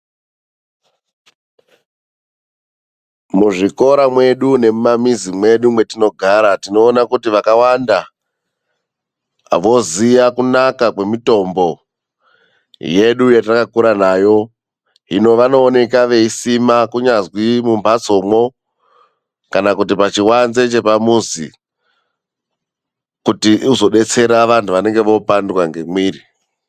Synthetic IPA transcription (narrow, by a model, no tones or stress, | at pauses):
muʐiko̞ɾamwe̞ɗune̞mumamizimwe̞ɗumwe̞tino̞ɡʱaɾatino̞ːnakutiʋakawanda | a̰ʋo̞zijakunakakwe̞mito̞mbo̞ | je̞ɗujatakakuɾanaːjo̞ | ɦino̞ʋano̞ːne̞kaʋe̞isimakuɲazwimumbʱat͡so̞mo̞ | kanakut̬ipat͡ʃiwanze̞t͡ʃe̞pamuzḭ | kutiuzo̞ɗe̞t͡se̞ɾaʋantʰuʋane̞ŋɡe̞ʋo̞pandwaŋɡe̞mwiːri